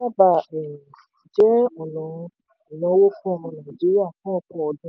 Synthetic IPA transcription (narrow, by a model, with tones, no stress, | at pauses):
a˦ba˦˨ɛ˨ | d͡ʒɛ˦ɔ˨nɔ̃˨˧ | ĩ˨nã˧˦wo˦fũ˦ɔ˧hɔ̃˧nã˨d͡ʒi˨˦ɾi˦a˦˨fã˦ɔ˧k͡pɔ̃˦ɔ˧dũ˦